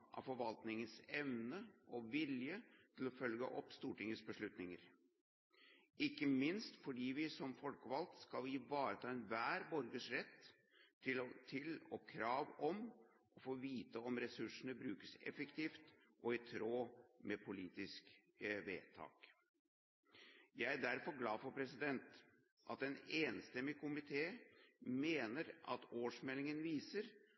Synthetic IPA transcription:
ʔɑ̰fɔɾʋɑlt̪nɪŋənsɛʋnəʔɔʋɪljət̪ʰɪlɔfœlɡə̰ʔɔpːst̪uːʈɪŋːəsbəʂɭʉt̪nɪŋəɾ | ɪkːəmɪnst̪fɔɖiːʋɪsɔmfɔlkəʋɑlt̪skɑliʋɑːɾət̪ʰɑːɛnʋæːɾbɔɾɡəʂɾɛt̪ː | ɪt̪ʰɪlɔkʰɾɑːʋɔm | ʔɔfoːʋiːt̪əɔmɾɛsʉʂəɳəbɾʉːkəsɛ̰fɛkt̪ʰiːft̪ʔɔɪt̪ʰɾoːmɛpʰʊliːt̪ɪskʋḛːt̪ʰɑ̰ːk | jæɪd̪æɾfɔɾɡlɑːfɔɾpʰɾɛsɪd̪ɛnt̪ | ʔɑt̪ɛneːnst̪ɛmːɪkʰʊmɪt̪ʰeːmeːnəɾʔɑ̰t̪oːʂmɛlɪŋənʋiːsəɾ

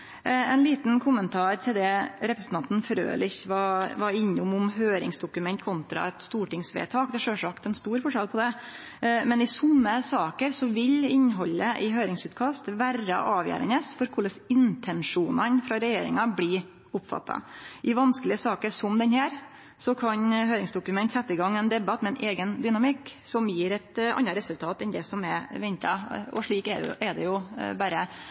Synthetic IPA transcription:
ɛnliːt̪n̩kʰʊmənt̪ʰɑːɾt̪ʰɪld̪ɛɾɛpɾəsn̩ʰɑnt̪n̩fɾø̰ːlɪçʋɑʋɑɾɪɲːʊmʊmɦøːɾɪ̰ŋsd̪ʊkʉmɛnt̪̚kʰʊnt̪ɾɑ̰ɛt̪st̪uːʈɪŋsʋḛːt̪ʰɑːkd̪ɛʂøːʂɑkt̪ɛnst̪uːɾfɔʂɑlpʰɔd̪ɛ | mɛnɪsɔmːəsɑːkəɾsɔʋɪlɪnːɦɔlːəʔɪɦøːɾɪŋsʉːt̪kʰɑst̪ʋæɾə̰ʔɑːʋjæ̰ːɾə̰nəːsfɔɾkʰʊləsɪnt̪ʰɛnʂuːnənfɾɑɾɛjeːɾɪ̰ŋɑblɪ | ʊpfɑ̰t̪ʰːɑ̰ʔɪʋɑnsklɪəsɑːkəɾsɔmd̪ɛnhæːɾ | sɔkʰɑɲɦøːɾɪŋsd̪ʊkʉmɛnt̪sɛt̪ːɪɡɑŋːɛnd̪ɛbɑt̪ːmɛɛnʔeːɡənd̪ʏnɑmɪkːsɔmjiːɾɛt̪ɑ̰nːɑɾɛsʉlt̪ʰɑːt̪ɛnd̪ɛsɔmɛʋɛnt̪ɑɔ̰ʂɭiːkɛɛd̪ɛjʊbæːɾə

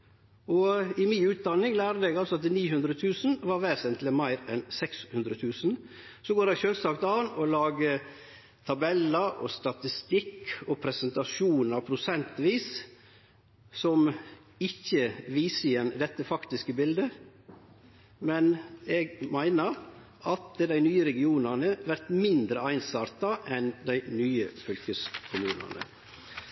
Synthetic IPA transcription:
ɔɪmɪnʉːt̪̚d̪ɑnːɪŋlæːɾd̪əɛɡɑlsɔɑt̪niːhʉnd̪ɾət̪ʰʉːsn̩ʋɑɾʋæːsɛnt̪ʰləmæɪɾɛnsɛkshʉnd̪ɾət̪ʰʉːsn̩ | sɔɡoːɾdæɪʃøːlsɑkt̪ɑːnɔlɑːɡə | t̪ʰɑbɛlːəɾɔ̰st̪ɑt̪ɪst̪ɪkʰːɔpʰɾɛsɛnt̪ɑʃuːnəpʰɾʊsɛnt̪ʋiːs | sɔm | ɪçːəʋiːsəɪjɛnd̪ɛt̪ːəfɑkt̪ɪskəbɪld̪ə | mɛneːɡmæɪnəɾ | ʔɑt̪əd̪æɪnyːəɾɛɡɪuːnɑnəʋæɾt̪mɪnd̪ɾəæɪnsɑːɾt̪ɑʔɛnd̪æɪnyːəfʏlkəskʰʊmʉːnɑ̰nə̰

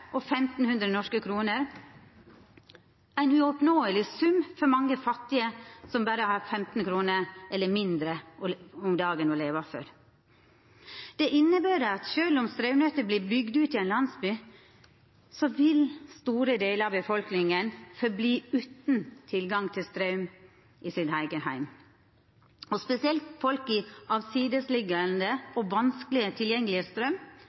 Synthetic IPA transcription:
ʔɔfɛmt̪n̩hʉnd̪ɾənɔʂkəkʰɾuːnəɾ | æɪnʉɔpnoːəlɪsʉmfɔɾmɑŋːəfɑt̪ːɪəsɔmbæːɾəhɑːɾfɛmt̪n̩kʰɾuːnəɾʔɛlːəɾmɪnd̪ɾəɔmd̪ɑːɡənɔleːʋɑfø̰ːɾ | d̪̥ɛʔɪnːəbæːɾəɑt̪ʃøːlʊmst̪ɾœʉnœt̪əbliːbʏɡd̪ʉːt̪ɪɛnlɑnsbyː | sɔʋɪlst̪uːɾəd̪eːləɾɑʋbəfɔlknɪŋənfɔɾbliːʉːt̪n̩t̪ʰɪlɡɑŋt̪ʰɪlst̪ɾœʉm | ʔɪsɪd̪hæɪɡəhæɪm | ɔspɛsɪɛlt̪fɔlkɪɑʋsiːd̪əslɪɡənd̪əɔʋɑnsklɪət̪ʰɪljɛŋːəlɪəst̪ɾœm

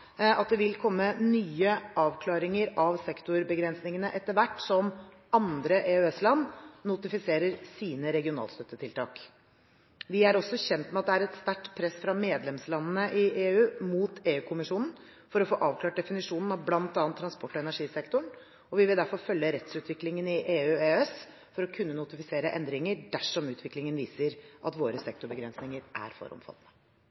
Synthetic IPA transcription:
ɑt̪̚d̪ɛʋɪlkʰɔmːənyːəʔɑːʋkʰlɑːɾɪŋəɾɑʋsɛkt̪ʊɾbəɡɾɛnsnɪŋənəʔɛt̪ːəɾʋæʈːsɔm | ɑnd̪ɾəʔeːʉɛslɑnːʊt̪ɪfɪseːɾəɾsiːnəɾɛɡɪʊnɑ̰lst̪œt̪ːət̪ʰɪlt̪ʰɑ̰ːk | ʋɪæɾɔsɔçɛnt̪mɛɑt̪̚d̪ɛæɾɛt̪st̪æʈːpʰɾɛsfɾɑmeːd̪lɛmslɑnənəʔɪʔeːʉːmuːt̪ʰeːʉːkʰʊmɪʂuːnn̩ | fɔɾɔfoːʔɑːʋkʰlɑːʈ̚d̪ɛfɪnɪʂuːnn̩ɑʋblɑnt̪ɑːnt̪ʰːɾɑnspɔʈːɔɛnæʂiːsɛkt̪ʊɳ | ɔʋɪʋɪld̪æɾfɔɾfœlːəɾɛt̪sʉːt̪ʋɪklɪŋənɪʔeːʉːeːɛs | fɔɾɔkʰʉnːənʊt̪ɪfɪseːɾəʔɛ̰nd̪ɾɪŋəɖæʂɔmʉːt̪ʰʋɪklɪŋənʋiːsəɾʔɑ̰t̪ʋoːɾəsɛk̚t̪ʊɾbəɡɾɛnsnɪŋəɾʔæ̰ɾfɔ̰ɾɔ̰mfɑ̰t̪nə

